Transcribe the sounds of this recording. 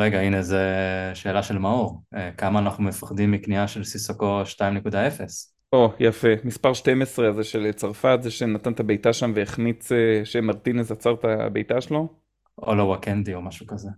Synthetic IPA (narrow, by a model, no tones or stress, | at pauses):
ʁeɡainezeʃe̞ːlaʃelmaoʁekamaːnaχnumefḁχdimːikniaʃelsisakoʃtaimnekud̪aefes | ojafe̞mispaʁʃte̞mesʁe̞azeʃe̞let͡saʁfatzeʃenat̪ant̪abe̞jtaʃamveeχnit͡seʃemaʁt̪inezat͡saʁt̪a̰bejtaʃelo̞ | olawakend̪io̞maʃukaze